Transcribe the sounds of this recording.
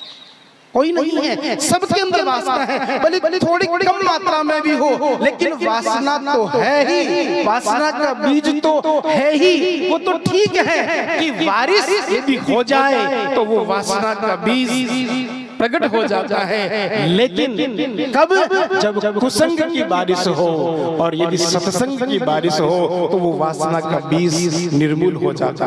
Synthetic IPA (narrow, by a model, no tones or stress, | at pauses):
koːinɐɦĩɦɛsɐbkeɐ̃md̪ɾʋaːsaɦɛ̃ɛ̃bɐlilit̪ʰoːɽiːɽikɐmmaːt̪ɾamẽbʱiɦoɦleːkɪnʋaːsnat̪oɦɛɦiʋaːsnakabiːd͡ʒt̪oɦɛɦiʋot̪oʈʰiːkɦɛkiʋʋaːɾɪsebʱiɦod͡ʒaːet̪oʋoʋaːsnakabiːz | pɾɐɡəʈɦod͡ʒaːt̪aɦɛleːkɪnnkɐbd͡ʒɐbkʊsə̃ŋɡkibaːɾɪsɦoːɔːɾjɐd̪isɐt̪sə̃ŋɡkikbaːɾɪsɦot̪oʋoʋaːsnakabiːznɪɾmuːlɦod͡ʒa̰ːt̪a